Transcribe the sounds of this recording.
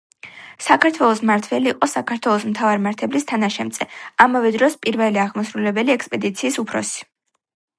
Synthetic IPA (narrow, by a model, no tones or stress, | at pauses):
sakʰaɾt̪ʰwɛlˠɔsmaɾt̪ʰvɛliːqʼɔsakʰaɾt̪ʰwɛlˠɔsmt̪ʰavaɾimaɾt̪ʰɛblist̪ʰanaʃɛmt̪zsʼɛamavɛd̪ɾɔspʼiɾvɛliaʁmɔsɾulɛbɛliɛkspʼɛd̪it̪sʰiːsupʰɾɔsi̥